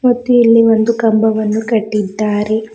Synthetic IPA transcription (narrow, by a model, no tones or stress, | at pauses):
mɐt̪ːuilːiʋond̪ukɐmbɐʋɐnːukɐʈːid̪ːaːɾe